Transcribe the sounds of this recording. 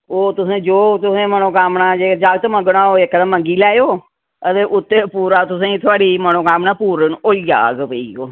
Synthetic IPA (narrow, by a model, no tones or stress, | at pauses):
oːt̪ʊsẽːd͡ʒoːt̪ʊsẽːmənõːkaːmnaːd͡ʒeːd͡ʒaːɡt̪oməɡɳaːoːekd̪ãːmə̃ŋɡiːlaːjoː | ət̪eːʔʊt̪ːeːpuːɾaːt̪ʊsẽːĩːt̪ʰoaːɽiːmənoːkaːmnaːpuːɾənoːija̰ːɡpəiːoː